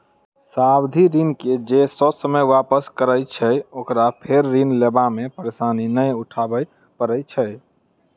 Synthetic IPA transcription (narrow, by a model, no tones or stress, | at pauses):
sabd̪ʱiɾinked͡ʒesəsəməjwapəskəɾəjt͡ʃʰəokɾapʰeɾːinlebamepəɾesaninəjuʈʰabəj | pəɾəjt͡ʃʰɛ